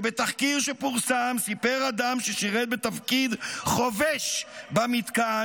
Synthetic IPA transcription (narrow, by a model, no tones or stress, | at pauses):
bet̪aχkiʁʃepuʁsamsipeʁad̪amʃeʃiʁet̪̚bet̪afkid̪χoveʃbamit̪ka